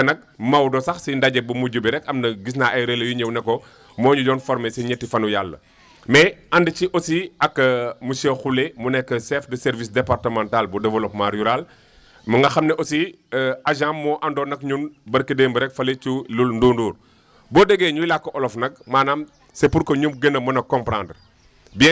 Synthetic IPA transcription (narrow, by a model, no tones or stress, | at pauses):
ɐnɐk̚mɐwdɔsɐxsindaɟɛbumuɟubiɾɛkɐmnɐɡis̬naʔɐjɾelɐjuɲɛwnɛkːɔ | mɔːɲuɟɔːnfɔɾmɛsɛɲɛtːifɐnujalːɐ̰ | mɛɐndiciʔɔsiɐkːmusɛxulɛmunɛkːəsɛfdɐsɛɾvisdɛpartəmãntalbudɛvɐlɔp̚maɾjuɾal | mɐŋɡɐxɐmnɛʔɔsi | aʒãmːɔːʔɐndɔːnɐkɲunbɐɾkədeːmbəɾɛkfɐlet͡ʃululndunduːr | bɔːdɛɡɛːɲujlakːɔʔɔlɔfnɐk̚maːnaːm | sepuɾkɔɲumɡənəmɐnɐkɔmpɾand | biɛ